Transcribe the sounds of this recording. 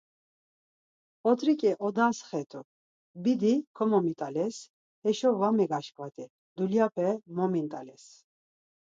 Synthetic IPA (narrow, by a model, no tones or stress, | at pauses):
ɔt̪ʰʼɾikʼɛʔɔd̪asχɛt̪ʼu | bid̪ikʰɔmɔmit̪ʼalɛs | ɛʃɔvamɛɡaʃkʼvat̪ʼɛ | d̪uljapʰɛmɔmint̪ʼalɛs